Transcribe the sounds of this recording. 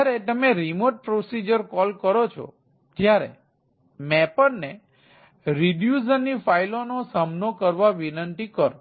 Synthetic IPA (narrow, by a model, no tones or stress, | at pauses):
ɾet̪əmeɾimoʈ̚pɾosid͡ʒəɾkɔlkəɾot͡ʃʰo̰ | tjaɾḛ | mɛpəɾne | ɾiɖjuzənːifailonosamnokəɾʋaʋinənt̪ikəɾ